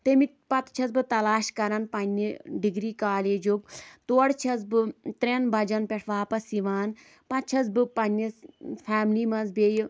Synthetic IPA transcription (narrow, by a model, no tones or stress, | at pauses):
t̪emi | pɐt̪t͡ʃʰɐsbɨt̪ɐlaːʃkɐɾɐnpɐnːiɖiɡɾiːkaːleːd͡ʒok̚t̪uɐɽt͡ʃʰɐs̬bɨt̪ɾenbʱɐd͡ʒɐnpʲeʈʰʋaːpɐsiʋaːn | pɐt̪t͡ʃʰɐs̬bɨpɐnːisfʰaːmliːmɐnzbej